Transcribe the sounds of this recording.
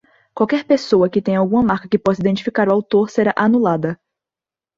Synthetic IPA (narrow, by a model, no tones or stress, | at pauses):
kwawkɛɾpesowɐkɪt̪ẽj̃ɐawɡũmɐmaɾkɐkɪpɔsɐid̪ẽnt͡ʃi̥fikaɾuawt̪oɾseɾaʔanulad̪ɐ